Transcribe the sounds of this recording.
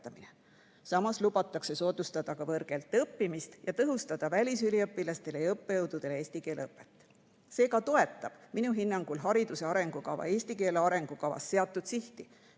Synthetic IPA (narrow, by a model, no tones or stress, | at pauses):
t̪ːˑɑmine | sɑmɑslubɑt̪ːˑɑkse̞so̞ːd̪ust̪ɑd̪̥ɑkɑvɤrɡ̥e̞lt̪ːˑɤpːimist̪jɑt̪ɤɦust̪ɑd̪̥ɑvælʲisylʲiɤpːˑilɑst̪e̞lejɤpːejɤwd̪̥ud̪̥e̞lee̞ːsʲt̪ike̞ːleɤpːˑe̞t̪ːˑ | se̞ːkɑt̪o̞e̞t̪ːˑɑb̥minuɦinːɑŋɡ̥ulɦɑɾid̪̥use̞ɑɾe̞ŋɡ̥ukɑvɑ̰e̞ːsʲt̪ike̞ːleɑɾe̞ŋɡ̥ukɑvɑ̰sːe̞ɑt̪ːˑud̪̥siht̪i